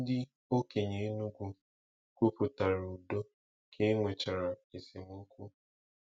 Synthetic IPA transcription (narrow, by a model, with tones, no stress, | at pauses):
dɪ˦ | o˦ke˨ɲe˨˦nu˦ɡʷu˦ | kʷu˦pʊ˨ta˨ɾu˨do˦ | kʰe˦ŋʷe˨t͡ʃa˨ɾa˨e˨se˨mu˦kʷu˦